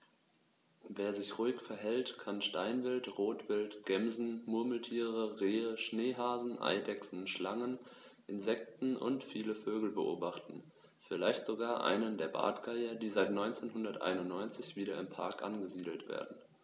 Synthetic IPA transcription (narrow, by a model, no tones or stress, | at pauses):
veːɐzɪçʁuɪkfɛɐɦɛltkʰanʃtaɪnvɪltʁoːtv̥ɪltɡ̥ɛmzn̩mʊɐml̩tʰiːʁəʁeːəʃneːɦaːzn̩ʔa̰ɪdɛksn̩ʃlaŋənʔɪnzɛk̚tn̩ʔʊ̰ntfiːləføːɡl̩bəʔo̰ːbaχtn̩ | fɪlaɪçtz̥oɡaːɐʔa̰ɪnəndeːɐba̰ːtɡ̥aɪɐdiːzaɪtnɔʏnt͡seːnɦʊndɐtʔa̰ɪnʊntnɔʏnt͡sɪçv̥iːɾɐɪmpʰa̰ɐkʔa̰nɡəziːdl̩tv̥ḛːɐdn̩